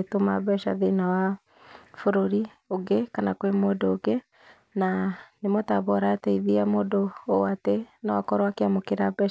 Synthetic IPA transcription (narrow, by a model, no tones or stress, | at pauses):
toma̰βɛʃa̰ðenawa | foɾoɾi | oɡekanakwemoːdoːɡe | nanemɔtaβɔɾataiðiamoːdoatenawakɔɾwakeamokeɾabɛʃ